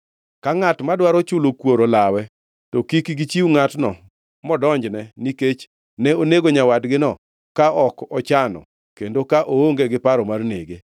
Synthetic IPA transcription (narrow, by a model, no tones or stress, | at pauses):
kaŋatmadwaɾɔt͡ʃʊlokwoɾolawɛ | tɔkikɡit͡ʃiuŋatnɔ | mɔdɔɲd͡ʒnɛniket͡ʃ | nɛoneɡoɲawadɡɪnɔ | kaʔɔkɔt͡ʃanɔ̰ | kendokaʔooŋɡeɡɪpaɾɔmarnḛɡe